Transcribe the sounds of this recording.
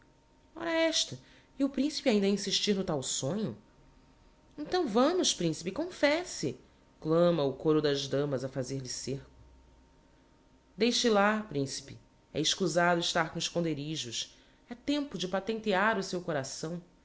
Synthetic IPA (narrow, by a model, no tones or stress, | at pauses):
ɔ̰ɾɐɛʃt̪ɐ | iʊpɾĩsi̥piaĩnd̪ɐĩsiʃt͡ʃiɾnʊt̪awsõɲʊ | ẽnt̪ɐ̃w̃vɐ̃mʊʃpɾĩsi̥pikõfɛsɪ̰ | klɐ̃mɐʊkoɾʊd̪ɐzd̪ɐ̃mɐzɐfazeɾlɪsehkʊ̥ | d̪ejʃɪlapɾĩsi̥pɪ | ɛ̰ɪʃkuzad̪ʊɪʃt̪aɾkõɪʃkõnd̪eɾiʒʊʃ | ɛt̪ẽmpʊd͡ʒɪpat̪ẽnt̪iaɾʊsewkoɾasɐ̃w̃